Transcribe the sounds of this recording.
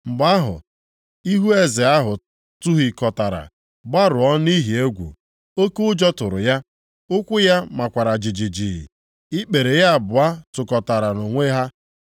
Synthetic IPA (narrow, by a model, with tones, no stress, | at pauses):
mŋ͡m̩˨ɡ͡ba˦ɦʊ̰˨ | i˦ɦu˦e˦zɪ˨a˦ɦʊ˨ | tʊ˦ɦi˨kɔ˨ta˨ɾa̰˨ | ba˦ɾʊ˨ɔ˦ni˦ɦi˨e˦ɡʷṵ˨ | o˦ku˦ʊ˦d͡ʒɔ˦tʊ˨ɾʊ˨ja˦ | ʊ˦kʷʊ˦ja˦ma˨kʷa˨ɾa˨d͡ʒi˨d͡ʒi˨d͡ʒi˨ḭ˨ | ɪ˦k͡pe˨ɾe˨ja˦a˨bʊ˨a˦tʊ˨kɔ˨ta˨ɾa˨no˨ŋʷe˦ɦa˦